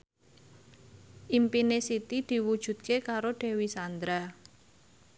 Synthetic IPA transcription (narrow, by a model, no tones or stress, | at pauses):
ʔimpinesit̪id̪̥i̤wud̥ʒ̥ṳt̪̚kekaɾoɖ̪̥ɛ̤wisand̪ɾa